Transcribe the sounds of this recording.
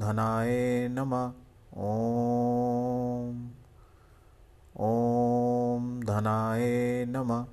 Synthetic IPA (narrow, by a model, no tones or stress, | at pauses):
d̪ʱɐnaːjeːnɐmɐ | o | m | o | md̪ʱɐnaːjeːnɐmɐ